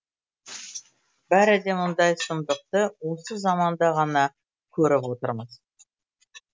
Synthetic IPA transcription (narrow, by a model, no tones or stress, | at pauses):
bæɾɪd̪e̞mʊnd̪ɑjsənd̪əq̚t̪əwo̞səzɑmɑnd̪ɑʁɑnɑ | kʲʰɵɾɪpwot̪əɾməz